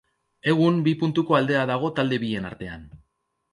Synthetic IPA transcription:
e̞ɣ̞umbipunt̪uko̞ald̪e̞aðaɣ̞o̞t̪ald̪e̞βie̞na̰ɾt̪e̞a̰n

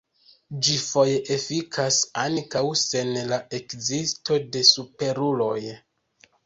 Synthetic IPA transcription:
d͡ʒifo̞jeʔefikʰasankawse̞nlaʔe̞kzisto̞de̞supe̞ɾulo̞j

